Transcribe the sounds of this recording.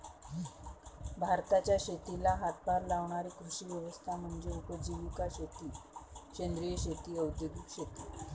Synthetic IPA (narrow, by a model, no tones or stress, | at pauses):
bʱaɾt̪at͡ɕjaɕet̪ilaɦat̪̚bʱaɾlaʋɳaɾikɾuɕiːʋjəʋəst̪ʰam̤əɳd͡ʑeɾupəd͡ʑiʋukaɕet̪iːɕend̪ɾijəɕet̪iːəwd̪jəɡukɕet̪i